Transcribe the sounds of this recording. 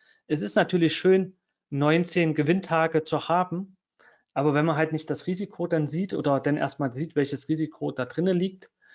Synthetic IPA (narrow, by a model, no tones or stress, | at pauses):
ʔɛsɪstnatʰyːɐlɪçʃøːnː | ɔʏnt͡seːnɡəvɪntʰaːɡət͡suhaːbm̩ | ʔaːbɐvɛnmanɦaltnɪçtd̥asʁiːzikʰodanziːtʔo̰ːdɐdanʔḛɐst̚maːlziːtv̥ɛlçəsʁiːzikʰod̥aːdʁɪnəliːk̚t